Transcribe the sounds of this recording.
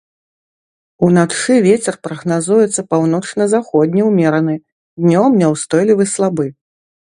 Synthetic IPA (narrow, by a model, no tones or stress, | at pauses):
unaʂɨvʲet͡sʲɛrpɾɐɣnazujɛt̪sːɐpawnɔt͡ʂnɐzaxɔd̪ʲnʲiwmʲɛɾɐnɨ | d̪nʲɔmnʲɛwst̪ɔjlʲivɨslˠabɨ